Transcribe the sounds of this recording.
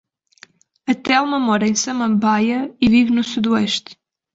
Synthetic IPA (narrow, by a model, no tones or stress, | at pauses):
ɐt̪ɛlˠmɐmɔɾɐẽj̃sɐmɐ̃mbajɐivivnusuðuɛʃt̪